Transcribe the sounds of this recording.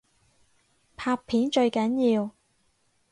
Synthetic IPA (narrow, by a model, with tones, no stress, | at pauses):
pʰaː˧pʰːiː˨˥nt͡ʃɵ˧ɥkɐ˨˥njiː˧w